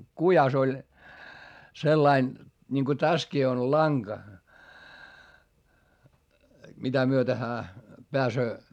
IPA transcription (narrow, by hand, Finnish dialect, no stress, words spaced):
kujɑs olʲ selːɑin nʲiŋko tæskiː on lɑŋɡ̊ɑ mitæ myøte hæː peæsøː